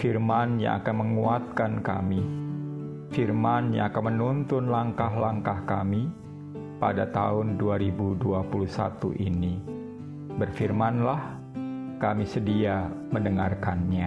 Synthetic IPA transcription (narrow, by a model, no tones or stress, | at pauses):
firmanɲã̰a̰kanməŋuat̪̚kanka̰mi | firmanɲa̰akanmənunt̪ʊnlaŋkaɦlaŋkahkami | padat̪a̰ʊnduaɾibuduapulusa̰t̪ṵʔini | bərfirmanlah | kamisədia | məndəŋarkanɲa